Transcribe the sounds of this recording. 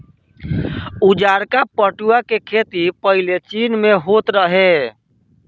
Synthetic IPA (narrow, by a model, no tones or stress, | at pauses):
ud͡ʒaɾkapəʈuakekʰet̪ipəɦilet͡ʃinmeɦot̪ɾəɦe